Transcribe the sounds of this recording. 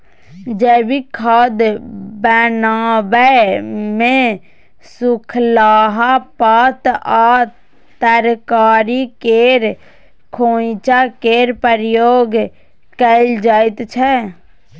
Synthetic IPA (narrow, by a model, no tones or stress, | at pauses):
d͡ʒɛːbikʰad̪bɛːnaːbɛmẽ | sʊkʰlaːɦapaːt̪a | t̪əɾkaːɾikeɾ | kʰoːt͡ʃakeːɾpəɾjoːɡ | kəɪld͡ʒaːɪt̪t͡ʃʰɛ